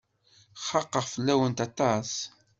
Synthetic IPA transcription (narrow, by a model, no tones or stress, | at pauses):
χɑqːəʁfəlːæwənt̪ɑt̪ˤɑs